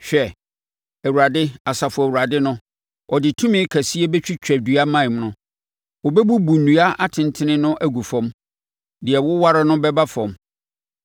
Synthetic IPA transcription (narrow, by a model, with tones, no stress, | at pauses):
ɕᶣɛ˨ | æ˨wu˨ɾa˨dɪ˦a˨sa˨fʊ˨æ˨wu˨ɾa˨dɪ˦nʊ̃˦ | ʔɔ˨dɪ˨tʰũ˦mɪ̃˦kʰæ˨si˦ɛ˦bɛ˦t͡ɕᶣi˦t͡ɕʰᶣɛ˨dɥa˦mã˦˨m˦nʊ̃˦ | wɔ˨bɛ˦bu˦bu˨nũ˨a˦a˦tʰɪ̃˨n˨tʰɪ̃˦nɪ̃˦nʊ̃˦ʔæ˦ɡu˨fɔ̃˨˦m | dɪ˨ɛ˨wʊ˦wa˦ɾa˦nʊ̃˦bɛ˦ba˦fɔ̃˨m